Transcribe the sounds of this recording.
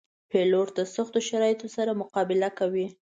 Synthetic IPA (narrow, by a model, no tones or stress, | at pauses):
peloɾt̪asaxt̪oʃaɾɑjɪt̪osaɾamʊqɑbɪlakawi